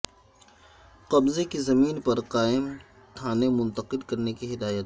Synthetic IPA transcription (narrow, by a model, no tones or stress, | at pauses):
qɐbzekizɐmiːnpɐɾqaːɪm | t̪ʰaːnemʊ̃nt̪əqɪlkɐɾnekiɦɪd̪aːjət̪